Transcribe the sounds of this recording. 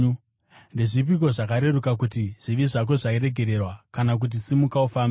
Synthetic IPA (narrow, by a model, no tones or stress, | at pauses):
ndeʐip̬iko̞ʐakaɾe̞ɾukak̬utiʐ̥iʋiʐak̬o̞ʐaiɾe̞ɡʱe̞ɾe̞rwakanak̬ut̬isimukaufaːmb